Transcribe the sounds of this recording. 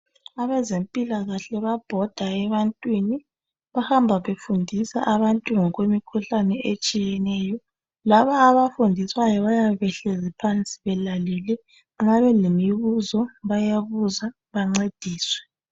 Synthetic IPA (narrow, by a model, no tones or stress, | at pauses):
aβɛzempʼilaɣaɬɛβab̥ʱɔd̥ʱaɛβantʼwini | βahambʱaβefundʱisa̰ʔaβantʼuŋɔɣwemikʰuɬanɛet͡ʃʼijɛnɛːjɔ | laβaːβafundʱiswajɔβajaβɛɬɛzipʰant͡sʼi̥βɛlalilɛ | ŋaβɛlemiβuzɔβajaβuza | βaŋ͡ǀed̥ʱiːswɛ